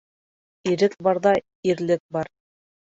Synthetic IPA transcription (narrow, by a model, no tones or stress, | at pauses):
iɾɘk̚bɑɾðɑ | iɾlɘk̚bɑɾ